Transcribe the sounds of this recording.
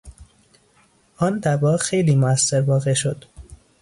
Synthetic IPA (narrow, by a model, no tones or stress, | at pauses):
ɒːnd̪æbɒːxejliːmoæsːeɾvɒːɣe̞ʃo̞d̪̥